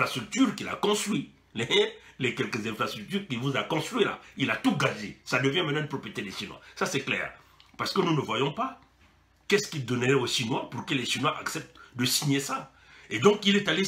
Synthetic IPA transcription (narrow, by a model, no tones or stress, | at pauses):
ast̪ʁyk̚t̪yʁkila̰kɔ̃st̪χɥi | lelekɛlkəzɛ̃fʁast̪ʁyk̚t̪yʁkivuzakɔ̃st̪χɥila̰ilat̪uɡaʒḛsad̪əvjɛ̃mɛ̃nnãnpʁɔpiət̪ed̪eʃinwa̰sasɛklɛ̰ːʁ | paʁsə̥kənunəvwajɔ̃pa | kɛskild̪ɔnəʁɛoʃinwapuʁkəleʃinwaʔaksɛp̚t̪d̪əsiɲesa | ed̪ɔ̃kilɛt̪ale